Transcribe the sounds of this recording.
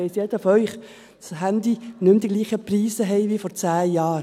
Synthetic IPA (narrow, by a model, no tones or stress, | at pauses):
ɛɪsjɛd̪əfœʏχ | shænd̪inʏmd̥̪iɡliːχəpɾiːsəɦɛɪʋifɔɾt͡sæːjɑːɾ